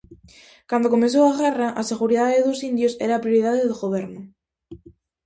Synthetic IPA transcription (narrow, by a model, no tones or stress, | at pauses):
kand̪oko̞mens̬oaɣeraʔase̞ɣ̞uɾiðaðeðosind̪josḛɾapɾjoɾiðaðeðɣoβ̞eɾno